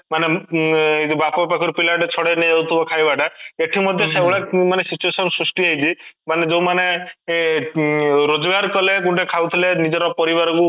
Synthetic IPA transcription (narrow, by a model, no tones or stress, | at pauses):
mane | et̪ibapbapakʰɔɾpilaʈet͡ʃʰɔɽeniaut̪ʰubɔkʰajbaʈaeʈʰimɔd̪ʱjɔsebɭamanesit͡ʃuesɔnsɾusʈiɦajt̪ʰimaned͡ʒowmane | ɾod͡ʒɔɡaɾkɔlekuɳʈekʰawt̪ʰilenid͡ʒɔɾɔpɔɾibaɾɔku